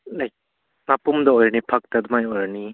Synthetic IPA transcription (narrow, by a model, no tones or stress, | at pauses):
lajk̚ | mapumdɐɔjɾɐnipʰak̚tɐdumajojɾani